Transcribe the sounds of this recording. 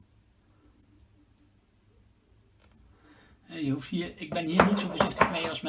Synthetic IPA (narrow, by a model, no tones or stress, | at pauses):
ɛjəɦuftɦiːɹɪɡ̚bɛnɦiːɹnitsowvəɹzɪxtləkmejɑlˠsmɛ